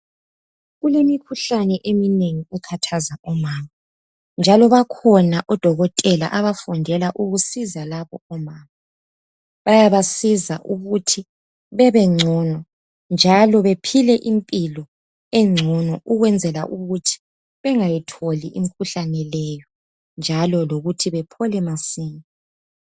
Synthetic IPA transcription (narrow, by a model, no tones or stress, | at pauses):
ɣulemikʰuɬanɛʔemineŋiukʰatʰazaʔɔmaːma | nd͡ʒʱalɔβakʰɔnaʔɔd̥ʱɔɣɔtʼɛla̰ʔaβafundʱɛlaʔuɣusizalaβɔɔmaːma | βajaβasizaʔuɣutʰi | βɛβɛŋ͡ǀʱɔnɔ | nd͡ʒʱalɔβepʰilɛʔimpʼilɔ | ɛŋ͡ǀʱɔnɔʔuɣwɛnd͡zʱɛla̰ʔuɣutʰi̥ | βɛŋajitʰoliʔim̩kʰuɬanɛlɛjɔ | nd͡ʒʱalɔloɣutʰiβɛpʰɔlɛmasiːŋi